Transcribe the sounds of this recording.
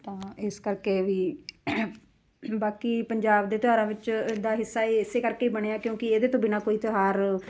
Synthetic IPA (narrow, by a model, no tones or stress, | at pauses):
t̪ãːɪskəɾkeːʋiː | baːkiːpəɲd͡ʒaːbd̪eːt̪oɦaːɾãːʋɪt͡ʃːd̪aːɦɪsːaːeːɪseːkəɾkeːiːbəɽ̃eːaːkjõːkɪeːd̪eːt̪õːbɪnãːkoːiːt̪ɪɦaːɾ